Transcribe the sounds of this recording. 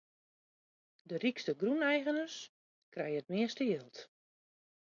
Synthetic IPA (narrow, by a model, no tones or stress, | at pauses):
dərikstəɡrunɛjɣənəs | krɛjət̚mɪəstəjlˠt